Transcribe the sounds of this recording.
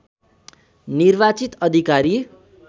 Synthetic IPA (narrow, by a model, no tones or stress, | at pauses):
nirbat͡sit̪ʌd̪ʱikaɾi